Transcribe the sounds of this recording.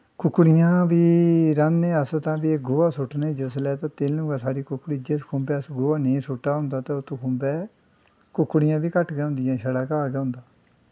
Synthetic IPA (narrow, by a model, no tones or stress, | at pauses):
kʊkːɽɪjãːʋiːɾənːẽːəst̪ãːbiːeɡʊːaːsʊʈneːd͡ʒɪslɛːt̪ãːt̪eːlnũːɡaːsaːɽiːkʊkːɽiːd͡ʒeskʰʊ̃ːmbɛːəsɡoːaːneːsʊʈːaːɦʊ̃nd̪aːt̪eːʊt̪õːkʰʊ̃ːmbɛː | kʊkːɽɪjãːbiːkəʈɡɛːɦʊ̃ːnd̪ɪjãːʃəɽaːkaːɡɛːɦʊ̃nd̪aː